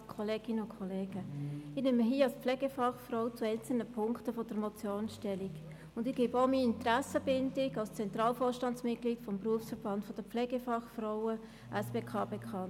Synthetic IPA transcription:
kʰɔleːɡ̥ɪnəʊnkʰɔleːɡ̥əɪneməɦiːɑlspflɛːɡəfɑχfrɔʊt͡suɛɪnt͡sl̩nəpʰʊŋktəfɔd̥əɾmɔt͡sjoːnʃtɛliɡ | ʊndɪɡ̥eːbomiɪntɾæsəbɪndɪɡɑlst͡sɛnt̪rɑːlfoːrʃtɑntsmɪt̚kliːtfɔmpruəfsfəɾb̥ɑntfɔd̥əpp͡flɛːɡəfɑχfrɔʊə | ʔæsb̥eːkʰɑːbekʰɑ

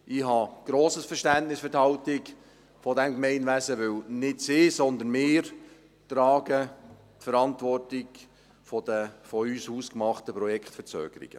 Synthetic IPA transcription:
ʔɪhɑɡ̥ɾoːsəsfəʃtæntnɪsfʏthɑʊtɪk | fɔdɛmkmɛɪnʋæsəʋɪwnɪtsɪːsɔnd̪ənmɪːɾ | tɾɑːɡə | tfəɾɑntʋɔrtɪɡ | fɔdəfɔyːshuːskmɑχtəpɾɔjɛkχtfəɾt͡sø̰ːɡ̥əɾḭɡ̥ə

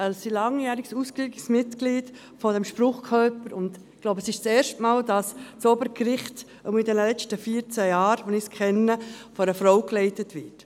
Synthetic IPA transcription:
əlsilɑŋjæːɾɪɡ̥suːskliɡɪksmɪtkliːd | fɔdɛmʃpɾʊχkʰœpəɾʊnd̥ | ɡ̥loʊbəsɪʃt͡seːʃtmaːldɑst͡sɔbəɾkɾɪχt | umidɛnlɛt͡stəfiːəɾt͡sæjɑːɾʋonɪskʰɛnːəfɔɾəfɾɔʊklɛɪtətʋɪt

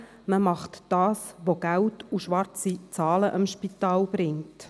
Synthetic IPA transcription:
məmɑχtd̥ɑːsʋoɡ̥æltuʃʋɑɾt͡sit͡sɑːləʔəmʃpitɑːlb̥ɾɪŋt

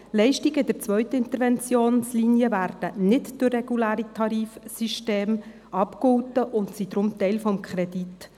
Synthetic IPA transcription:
lɛɪʃtiɡəɪdəɾt͡sʋœʏt̪əɪnt̪əɾvɛnt͡sjoːnsliniəvæːɾd̥ənɪtd̥ʊrːɛɡ̥ulæːɾitʰɑɾiːfsiʃteːm | ʔɑpkhʊltəʔʊntsid̥̪ɾʊmt̪ɛɪlfɔmkʰχɾɛdit

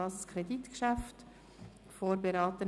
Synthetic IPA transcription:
ɑskʰɾɛdit̪kʃæft | foːɾbeɾɑːt̪ə

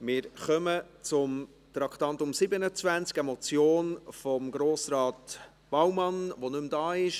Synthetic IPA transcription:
mɪːɾχœmət͡sʊm | t̪ɾɑkʰt̪ɑnt̪ʊmsɪbənət͡svænt͡skɛmɔt͡sjoːnfɔmɡɾoːsɾɑːt̪ | b̥ɑwmɑnʋonʏmd̪ɑːɪʃ

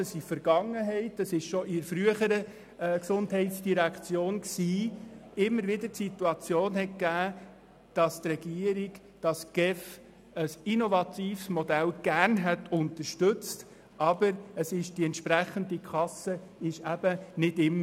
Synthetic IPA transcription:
əsifəɾɡ̥ɑŋːəɦɛɪtəsɪʃʃɔʔɪɾfɾyəχəɾə | ksʊndɦɛɪtsd̥iɾækt͡sjoːnksiːɪmːəɾʋɪdətsit̪uɑt͡sjoːnhɛt̚kæː | d̥ɑst̪rɛɡ̥iəɾiɡ | d̥ɑsɡ̥ɛf | əsinɔvɑt̪iːfsmɔdælɡ̥æɾnɦɛtʊnt̪əɾʃtɵt͡st | ʔɑbəɾəsɪʃd̥iɛntʃpɾæχənd̪ikʰχɑsəɪʃæb̥ənɪdɪmːə

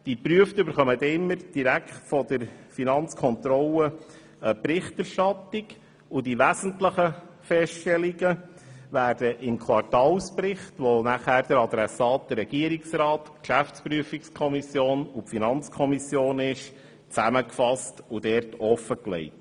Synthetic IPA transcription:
d̥ipɾyəftʏbəɾχœmət̪ɪmːəɾd̥iɾækχtfɔd̥əɾfinɑnt͡skʰɔnt̪ɾɔlə | əpɾɪχtɛɾʃtɑt̪ɪɡ | ʊdiʋæzən̩tləχə | fɛsttɛliɡəʋæːɾd̥əʔɪmkʰwɑrtɑːlspɾɪχtʋonæχæːɾd̥̪əɾɑd̪ɾɛsɑːt̚d̥ərːɛɡ̥iəɾiksɾɑːtkʃæfspɾyəfikskʰɔmisjoːnʊpfinɑnt͡skʰɔmisjoːnɪʃ | t͡sæməkfɑstʊd̥ɛɾtɔfəklɛ̰ɪt

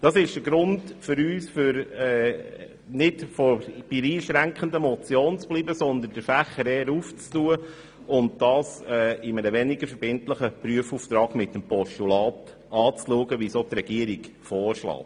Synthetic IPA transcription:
d̥ɑsɪʃd̥əɡɾʊndfʏɾyːsfʏɾɛː | nɪdfɔb̥iɾiːʃɾæŋkχəndəmɔt͡sjoːnt͡sb̥liːbəsɔnd̪ənd̥əɾfæχəɾɛːɾuːft͡stuə | ʊntd̥ɑːsɛːɪməɾəʋɛnɪɡəɾfəɾbɪntləχəpɾyəfuːft̪ɾɑːɡmɪtːəmpɔʃtulɑːt | ɑːt͡sluəɡəʋisot̪ɾɛɡ̥iəɾiɡ | fɔːɾʃlɑ̰ːt

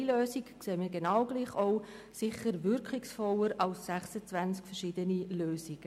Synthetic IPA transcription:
iløːsikkseːmiɡenɑwɡ̥liːχoʊ | sɪχəɾvʏɾkχɪksfɔləɾɑlsːæχsət͡svænt͡skfɛrʃiːdəniløːsiɡ̥ə

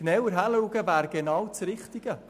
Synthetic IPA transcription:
nɛwəɾɦæluːɡəvæːɾɡ̥enɑwt͡sɾɪχt̪iɡ̥ə

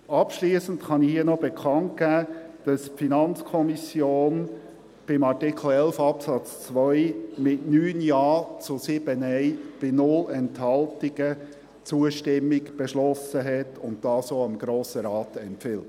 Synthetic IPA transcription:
ɑpʃliːsən̩tχɑnɪhiənɔbɛkʰɑnt̚ɡ̥æːd̥ɑspfinɑnt͡skʰɔmisjoːn | b̥ɪmɑɹtɪkʰl̩ɛlfɑpsɑt͡st͡sʋœʏmɪtnyːnjɑːt͡sʊsɪb̥ənɛɪb̥ɪnʊlɛnthɑltɪɡə | t͡suəʃtɪmːɪɡb̥ɛʃlɔsəɦɛtʰʊnt̚d̥ɑːsoəmɡɾoːsəɾɑːtɛmpfɪlt

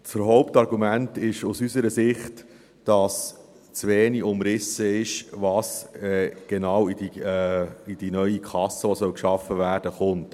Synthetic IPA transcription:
t͡səɾɦɔʊp̚tɑɾɡumæntɪʃusysəɾəsɪχt | d̥ɑs | t͡sʋeːniʊmɾɪsəɪʃvɑsɛɡ̥enɑːwidi | id̥inœʏikʰɑsːəʋosœwkʃɑfəvæːɾd̥əχʊnt

